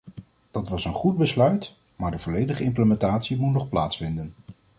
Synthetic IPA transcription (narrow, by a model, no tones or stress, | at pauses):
d̥ɑtʋɑsənχud̚bəslœɥt | maːɹdəvɔlejdəχəɪmpləmɛntaːtsimutnɔχplaːtsfɪndən